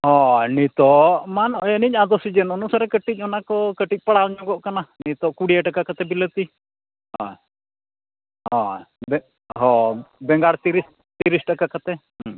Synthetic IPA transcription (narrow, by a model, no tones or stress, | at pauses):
ɦɔnit̪ɔmanɔjɛnicad̪ɔsid͡ʒənɔnusaɾɛkəʈic̚ˀɔnakɔkəʈic̚paɽalɲɔɡɔʔkananit̪ɔʔkuɽijaʈakakat̪ɛbilət̪i | ɦɔ | ɦɔ̃bɛ | ɦɔbɛŋɡaɽt̪iɾis | t̪iɾisʈakakat̪ɛɦ